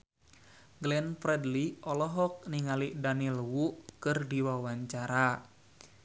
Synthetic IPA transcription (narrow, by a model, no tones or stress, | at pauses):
ɡlɛnfɾɛdliʔɔlɔɦɔk̚niŋaliʔdanilwuʔkɨrdiwawaɲt͡ʃaɾa